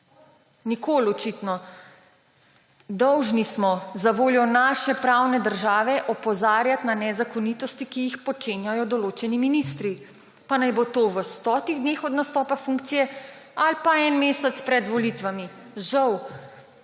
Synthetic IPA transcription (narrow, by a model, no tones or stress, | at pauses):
nikolɔt͡ʃit̪nɔ | d̪ɔwʒnismɔzaʋoːljɔnaʃɛpɾawnɛd̪əɾʒaːʋɛʔɔpɔzaːɾjat̪nanɛzakɔnit̪ɔst̪ikijixpɔt͡ʃeːnjajɔd̪ɔloːt͡ʃɛniminist̪ɾi | panajbot̪oːʋəst̪ɔːt̪iɣd̪neːxɔd̪nast̪ɔːpafuŋk̚t̪sijɛalpaɛnmeːsɛt̪spɾɛd̪ʋɔlit̪ʋami | ʒaw